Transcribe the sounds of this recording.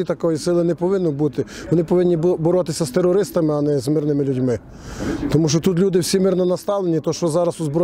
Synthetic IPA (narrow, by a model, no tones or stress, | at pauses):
it̪ɐkɔjisɪlˠɪnɛpɔʋɪnːʊbut̪ɪʋɔnɪpɔʋɪnʲːibɔɾɔt̪ɪsʲɐst̪erːɔɾɪst̪ɐmɪɐnɛzmɪrnɪmɪlʲudʲmɪ | t̪ɔmuʃt͡ʃɔt̪ut̪̬lʲud̪ɪwsʲimɪrnɔnɐst̪ɑʋlˠenʲit̪ɔʃt͡ʃɔzɑɾɐsuzbɾɔ